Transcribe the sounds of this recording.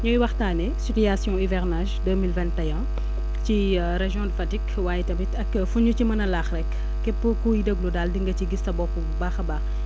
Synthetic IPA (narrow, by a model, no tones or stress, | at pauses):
ɲɔjwɐxtaːnɛsipijasjɔ̃ivɛʁnaːʒdəːmilvɛ̃ntɐjɐ̃ | ci | ɾeʒjɔ̃dəfɐtik | waːjɛtɐbitɐkːəfuɲucimɐnɐlaːxrɛkː | ɛpːəkuːjidəɡludaːldiŋɡɐciɡistɐbɔkːubaːxɐbaːx